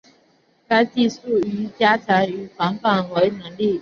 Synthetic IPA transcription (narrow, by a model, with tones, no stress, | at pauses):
ka˥ɪt͡ɕi˥˧˨su˥˩y˧˥˦t͡ɕja˥t͡ɕʰja˨˦˥ŋy˧˥˦fɑ˨˥ŋpa˨nxwe˨˥ɪnə˧˦ŋli˥˨